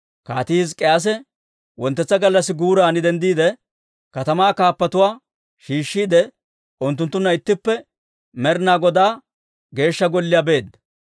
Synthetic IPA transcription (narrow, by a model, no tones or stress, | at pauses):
kaːt̪izkʼɛjas̬ɛ | wɔnt̪ːɛt͡sːɐɡɐlːɐsːɪɡuːɾaːnɪd̪ɛnd̪iːd̪ɛ | kɐt̪ɐmaːkaːpːɐt̪ʊwaː | ʃiːʃːiːd̪ɛ | ʊnt̪̬ːʊnt̪ːʊnːɐɪt̪ːɪpːɛ | mɛɾɪnaːɡɔd̪aː | ɡe̞ːʃːɐɡɔlːɪjabe̞ːd̪ɐ